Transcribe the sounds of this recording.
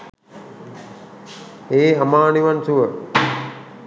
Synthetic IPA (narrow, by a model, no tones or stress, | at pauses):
eːɦamaːniʋansuʋə